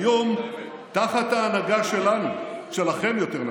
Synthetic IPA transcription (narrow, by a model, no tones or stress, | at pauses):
jo̞m | t̪aχat̪haːnaɡaʃe̞lanuʃe̞laχe̞mjo̞t̪eʁn